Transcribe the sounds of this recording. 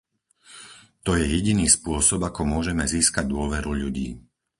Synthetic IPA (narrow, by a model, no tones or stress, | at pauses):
t̪ɔjɛjɛɟiniːspʊɔsɔbakɔmʊɔʒɛmɛziːskaɟd̪ʊɔʋɛɾuʎuɟḭː